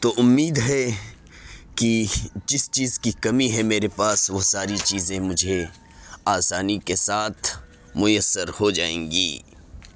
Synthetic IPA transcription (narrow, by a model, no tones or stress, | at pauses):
t̪oːʔʊmːiːd̪ɦɛ | kid͡ʒɪst͡ʃiːzkikɐmiɦɛmeːɾepaːsʋosaːɾit͡ʃiːzẽmʊd͡ʒʱe | aːsaːnikesaːt̪ʰ | mʊjəsːəɾhod͡ʒa̰ːḛ̃ːŋɡḭː